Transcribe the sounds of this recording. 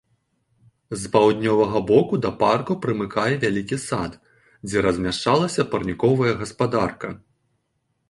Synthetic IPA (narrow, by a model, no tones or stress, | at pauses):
zpawd̪ʲnʲɔvɐɣɐbɔkud̪ɐparkupɾɨmɨkʰajɛvʲalʲikʲisat̪ | d͡zʲɛɾɐzʲmʲaʂt͡ʂalˠɐsʲɐpɐrnʲikɔvɐjɐɣɐspad̪arkɐ